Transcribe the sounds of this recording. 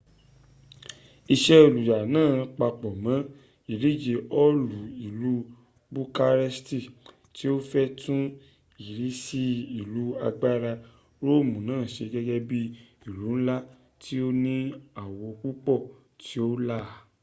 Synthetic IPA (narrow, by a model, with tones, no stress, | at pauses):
i˧ʃɛ˦o˧˨lu˨ja˨nãː˦˨k͡pa˧k͡pɔ˨mã˨˦ | i˦˨ɾi˨˦d͡ʒe˧ʔɔ˦lu˨i˨lu˨˦ | bu˦ka˧ɾɛ˦sti˦˨ | ti˦o˦fɛ˦tũ˦ | i˨ɾi˨˦si˦i˦˨lu˨˦a̰˧ɡ͡ba˦ɾa˧ | ɾo˦˨mũ˨nãː˦˨ʃe˧ɡɛ˦ɡɛ˦bi˦i˦˨lu˨˦n̩˦la˦ | tʰi˦o˦nĩ˦a˨wɔ˧ku˦k͡pɔ˦˨ | tʰi˦o˦la˦˨